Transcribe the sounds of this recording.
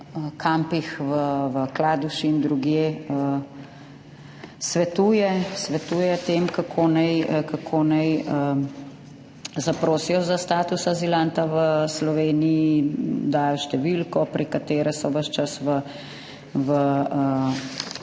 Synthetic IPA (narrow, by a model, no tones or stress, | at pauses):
əkʰampixʋəʋəklaːd̪uʃiːnd̪ɾuɡjeːə | sʋɛt̪uːjɛsʋɛt̪uːjɛt̪eːmkakʰonɛjkakʰoːnɛjə | zapɾoːsijɔzast̪aːt̪usazilant̪aʋəslɔʋeːniid̪aːjɔʃt̪ɛʋilkɔpɾikat̪eːɾɛsɔʋəʃt͡ʃasʋə | ʋəə